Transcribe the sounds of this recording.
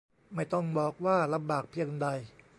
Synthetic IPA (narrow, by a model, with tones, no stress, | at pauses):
ma˥˩jt̪ɔ˥˩ŋbɔː˨˩k̚waː˥˩la˧mbaː˨˩k̚pʰi˧əŋda˧j